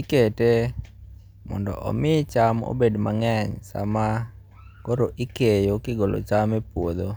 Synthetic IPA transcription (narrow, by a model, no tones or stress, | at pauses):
ikete | mɔ̰ndɔ̰ʔɔ̰mɪt͡ʃamo̰bedmaŋɛɲsa̰ma | koɾoʔikejokɪɡolo̰t͡ʃamɛpwod̪o